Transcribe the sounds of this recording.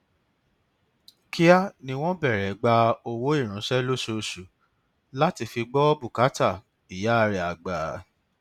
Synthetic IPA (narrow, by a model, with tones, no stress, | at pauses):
kʰi˦a˦nĩ˧w̃ɔ̃˦bɛ˦˨ɾɛ˨ɡ͡ba˧o˧wo˦i˦˨ɾ̃ũ˨˦ʃɛ˦lo˦ʃo˧˨ʃu˨ | la˦ti˧fi˧ɡ͡bɔ˦bu˦˨ka˨˦ta˦˨ | i˨ja˨˦a˦˧ɾɛ˨˦a˨ɡ͡baː˨˦